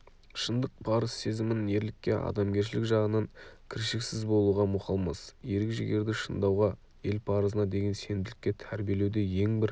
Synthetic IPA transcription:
ʃənd̪əq̚pʰɑɾəzse̞zɪmɪne̞ɾlɪkʲːe̞ʔɑ̰d̪ɑmɡʲe̞ɾʃ̬ɪlɪkʒɑʁənɑŋkʲʰɪɾʃɪksɪzbo̞lˠuʁɑmʊqʰɑlˠmɑsje̞ɾɪkʒɪɡʲe̞ɾd̪ɪʃənd̪ɑwʁɑ | je̞lpʰɑɾəzənɑd̪e̞ɡʲense̞nd̪ɪlɪkʲːe̞t̪ʰæɾbije̞lewd̪e̞je̞ŋbɪɾ

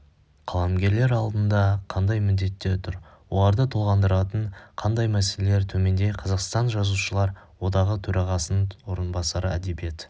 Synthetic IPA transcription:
qʰɑlˠɑmɡʲe̞ɾle̞ɾɑlˠd̪ənd̪ɑqʰɑnd̪ɑjmɪd̪ːe̞t̪ːeɾt̪ʰʊɾwolˠɑɾd̪ət̪ʰolˠʁɑnd̪əɾɑt̪əɴqʰɑnd̪ɑjmæseleleɾt̪ʰɵme̞nd̪e̞jqʰɑzɑqst̪ɑnʒɑzuʃəlˠɑɾwo̞d̪ɑʁət̪ʰɵɾɑʁɑsənwoɾənbɑsɑɾəæd̪e̞bije̞t̪

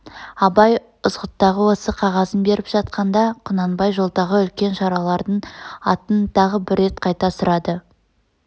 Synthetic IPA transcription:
ɑbɑj | ʊzʁət̪ːɑʁəwo̞səqʰɑʁɑzənbe̞ɾɪpʒ̥ɑt̪̚qɑnd̪ɑqʰʊnɑnbɑjʒo̞lˠd̪ɑʁəʏlkʲe̞nʃɑɾɑlˠɑɾd̪əɴɑ̰t̪ənt̪ʰɑʁəbɪɾːe̞t̪̚qʰɑjt̪ɑsʊɾɑd̪ə

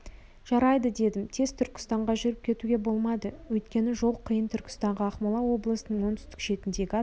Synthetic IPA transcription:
ʒ̥ɑɾɑjd̪əd̪e̞d̪ɪmt̪ʰe̞zt̪ʰʏɾkʲɪ̥st̪ɑɴʁɑʒʏɾɪp̚kʲʰe̞t̪uɡʲe̞bo̞lˠmɑd̪əwɵjt̪kʲe̞nɪʒo̞lˠqʰəjənt̪ʰʏɾkʲɪ̥st̪ɑɴʁɑɑqmɑlˠɑwo̞blˠəsənəɴwo̞nt̪ʰʏ̥st̪ɪ̥kʃe̞t̪ɪnd̪e̞ɡʲɪɑ

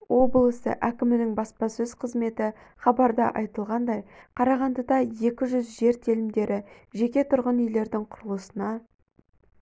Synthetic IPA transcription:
wo̞blˠəsə̰ʔækʲɪmɪnɪŋbɑspɑsɵz̥qʰəzme̞t̪ɪ | χɑbɑɾd̪ɑʔɑjt̪əlˠʁɑnd̪ɑjqʰɑɾɑʁɑnd̪əd̪ɑje̞kʲɪʒʏzʒe̞ɾt̪ʰelɪmd̪e̞ɾʔɪ | ʒe̞kʲe̞t̪ʰʊɾʁənʏjle̞ɾd̪ɪŋqʰʊɾəlˠəsənɑ

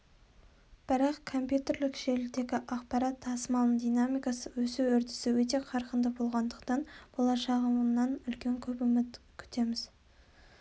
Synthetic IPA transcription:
b̥ɪɾɑqkʰo̞mpjut̪e̞rlɪkʒe̞ɾɪd̪e̞ɡʲɪʔɑqpɑɾɑt̪ʰːɑsəmɑlˠnəɴd̪ijnamijkɑsəwɵsɪwɵɾt̪ɪ̥sɪwɵt̪e̞qʰɑɾqənd̪əbo̞lˠʁɑnd̪əqt̪ɑnb̥o̞lˠɑʃɑʁəməmnɑnʏlkʲe̞ŋkʲʰɵpʏmɪt̪kʲʰʏ̥t̪e̞mɪz

